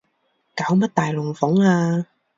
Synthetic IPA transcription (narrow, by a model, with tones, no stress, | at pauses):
kaː˨˥wmɐ˥t̚t̪aː˨jlʊ˨˩ŋfʊ˨˥ŋaː˧